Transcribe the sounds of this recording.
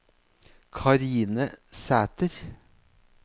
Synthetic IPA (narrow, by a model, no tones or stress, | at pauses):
kʰɑɾiːnəsæːt̪əɾ